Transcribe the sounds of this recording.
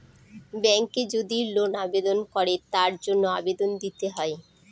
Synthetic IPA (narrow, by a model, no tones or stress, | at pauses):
bɛŋked͡ʑod̪ilonabed̪onkɔɾet̪aɾd͡ʑonːoabed̪ond̪it̪eɦɔe